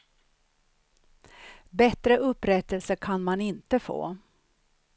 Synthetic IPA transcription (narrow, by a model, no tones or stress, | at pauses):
bɛt̪ɾəʔɵpːɾɛt̪əlsəɾkʰanmanɪnt̪əfo̰ː